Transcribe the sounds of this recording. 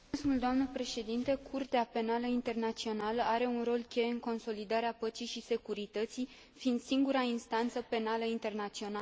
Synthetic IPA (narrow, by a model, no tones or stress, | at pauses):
smuld̪oamnəpɾe̞ʃe̞d̪int̪e̞kʰurt̪eape̞naləint̪e̞rnat̪sio̞naləaɾe̞unro̞lkʲe̞jeɨŋko̞nso̞lid̪aɾeapət͡ʃijʃise̞kuɾit̪ət̪sij | find̪siŋɡuɾainst̪ant̪səpe̞naləint̪e̞rnat̪sio̞na